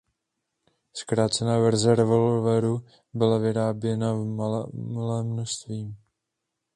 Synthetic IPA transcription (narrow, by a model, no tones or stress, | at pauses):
skɾaːt̪t͡sɛnavɛɾzɛɾɛvo̞lvɛɾu | bɪlavɪɾaːbjɛna | malɛːmːnost̪viːm